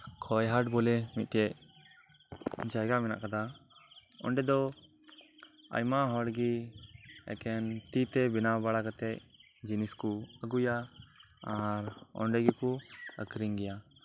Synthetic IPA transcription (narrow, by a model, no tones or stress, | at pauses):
kʰɔjɦaʈbɔlɛmit̪̚ˀʈɛʔ | nd͡ʒajɡamɛna̰ʔkad̪a | ɔ̰ɳɖɛd̪ɔ | a̰jmaɦɔɽɡi | ɛ̰kɛnt̪it̪ɛbinabaɽakat̪ɛʔ | d͡ʒiniskuəɡujaː | ɾɔ̰ɳɖɛɡikuə̰kɾiŋɡɛja